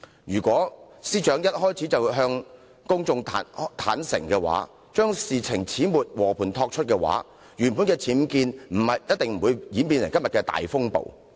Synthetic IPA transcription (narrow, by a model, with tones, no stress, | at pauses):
jyː˨˩kwɔː˨˥ | siː˥t͡ʃœː˨˥ŋjɐ˥t̚hɔː˥jt͡sʰiː˨˥t͡sɐ˨wɦœː˧ŋ | kʊ˥ŋt͡sʊ˧ŋt̪ʰaː˨˥nt̪ʰa̰ː˨˥nsɪ̰˨˩ŋkɛː˧wa̰ː˨˥ | t͡ʃœː˥ŋsiː˨t͡sʰɪ˨˩ŋt͡sʰiː˨˥muː˨t̚wɔː˨˩pʰuː˨˩nt̪ʰɔː˧k̚t͡ʃʰɵ˥t̚kɛː˧wa̰ː˨˥ | jyː˨˩npu˨˥nkɛː˧t͡sʰiː˨˥mkiː˧nm̩˨˩hɐ˨jjɐ˥t̚t̪ɪ˨ŋm̩˨˩wuː˨˧jjiː˨˥mpiː˧nlɪ˨˩jkɐ˥mjɐ˨t̚kɛː˧t̪a̰ː˨˩jfʊ˥ŋpo̰˨w